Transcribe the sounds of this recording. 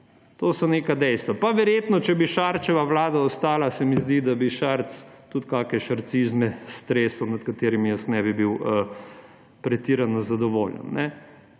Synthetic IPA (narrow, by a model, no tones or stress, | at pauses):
t̪oːsɔnekad̪ɛjst̪ʋapaʋɛɾjeːt̪nɔt͡ʃɛbiʃaɾt͡ʃɛʋaʋlaːd̪aɔst̪aːlasɛmizd̪id̪abiʃaɾt̪st̪ut̪kaːkɛʃaɾt̪sizmɛst̪ɾeːsɔwnat̪kat̪eːɾimijəsnɛbibiwə | pɾɛt̪iːɾanɔzad̪ɔʋo̰ːljɛ̰nːɛ